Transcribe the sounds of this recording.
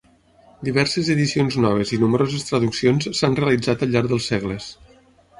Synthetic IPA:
d̪iβ̞ɛɾsəzəðisionznɔβ̞əzinuməɾozəst̪ɾəðuksionssanreəlid͡zat̪əlˠʎːaɾðəlˠseɣləs

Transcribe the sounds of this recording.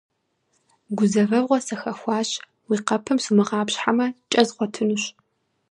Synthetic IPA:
ɡʷʊzɐvɐvʁʷɔsɐxɐxʷɑːɕ | wiːqɐpʰɐmsumɨʁɑːpɕħamɐt͡ʃʼɐzʁʷɔtʰɨnuɕ

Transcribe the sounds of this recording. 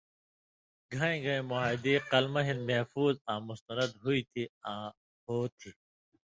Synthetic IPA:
ɡʱɐẽɡʱɐẽmoad̪iqɐlmɐɦinmɐhfuːzãːmʊst̪ɐnɐd̪ɦuit̪ʰiãː | hoːt̪ʰi

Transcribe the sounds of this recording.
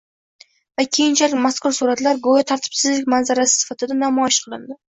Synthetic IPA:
vakʲʰejɪnt͡ʃʰalɪk̚ʲmaskʰʊɾsuɾat̪laɾɡojat̪ʰaɾt̪ʰɪ̥bsɪzlɪkʲmanzaɾasɪ̥sɪ̥fat̪ʰɪd̪anamɒjɪʃqʰɨlˠɪnd̪ɪ

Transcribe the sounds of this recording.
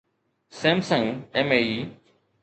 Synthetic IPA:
seːmsə̃ŋeːmeiː

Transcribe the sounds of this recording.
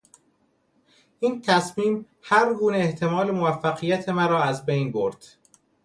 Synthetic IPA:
ʔiːnt̪ʰæsmiːm | hæɾɡuːneeht̪ʰe̞mɒːle̞movæfːæɣijæt̪ʰe̞mæɾɒːæzbejnbo̞̰ɾd̪̥

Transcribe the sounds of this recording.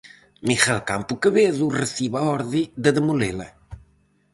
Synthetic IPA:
miχalka̰mpukəβeðurəθiβaɔɾðid̪əd̪əmulelɐ̰

